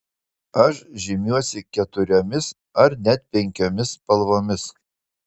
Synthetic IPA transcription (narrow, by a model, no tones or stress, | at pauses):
ɐʃʒʲɪmʲuɔsʲɪkʲɛt̪ʊɾʲomʲɪs | ɐɾnʲɛt̪̚pʲɛŋʲkʲomʲɪspɐlˠʋoːmʲɪs